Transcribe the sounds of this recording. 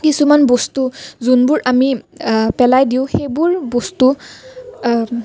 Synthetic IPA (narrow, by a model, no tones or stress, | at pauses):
kisumanbɔstuzunbʊɹʔamipɛlajdiʊ̃xejbʊɹbɔstu